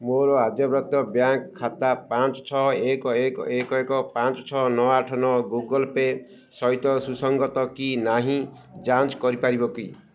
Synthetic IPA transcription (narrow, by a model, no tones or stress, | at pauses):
moɾɔad͡ʒɔbɾɔt̪ɔbjaŋkkʰːat̪apat͡ʃɔt͡ʃʰɔɦɔekɔekɔekɔekɔpãnt͡ʃɔt͡ʃʰɔɦɔnɔwaʈʰɔnɔɔɡuɡɔlpe | sɔjt̪ɔsusɔŋɡɔt̪ɔkinaɦĩ | d͡ʒant͡ʃkɔɾipaɾibɔki